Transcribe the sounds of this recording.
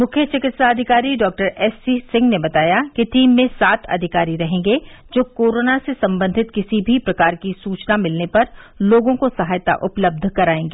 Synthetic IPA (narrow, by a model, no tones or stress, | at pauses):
mʊkʰjət͡ʃɪkɪt̪saɐd̪ʱɪkaːɾiɖɔːk̚ʈəɾɛːsisɪ̃ŋɡnebɐt̪aːjakiʈiːmːẽsaːt̪ʰɐ̰d̪ʱɪkaːɾiɾɐɦẽːŋɡed͡ʒoːkoːɾoːnasesɐ̃mbə̃nd̪ʱɪt̪kɪsibʱipɾɐkaːɾkisuːt͡ʃnamɪlnepɐɾloːɡõkosɐɦaːjt̪a̰ʔʊpləb̚d̪ʱkɐɾaːẽːŋɡeː